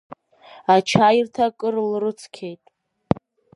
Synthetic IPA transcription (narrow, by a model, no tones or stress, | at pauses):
at͡ʃʰajrtʰakʼɨrlrɨt͡sʰkʲʰe̞jtʼ